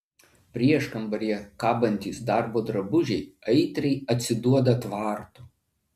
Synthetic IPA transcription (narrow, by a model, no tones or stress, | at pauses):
pʲɾʲiɛʃkɐmbɐɾʲijɛkɑːbɐnʲt̪ʲiːsd̪ɑˑɾboːd̪ɾɐbʊʒʲɛɪɐɪt̪ʲɾʲɛɪɐt̪ʲsʲɪd̪uɔd̪ɐt̪ʋɑːˑɾt̪u